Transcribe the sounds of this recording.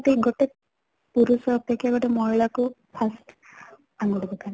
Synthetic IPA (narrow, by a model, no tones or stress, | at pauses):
ʈeɡɔʈek̚ | puɾusɔtekeɡɔʈemɔɦiɭakupʰasʈ | aŋɡudibɔkani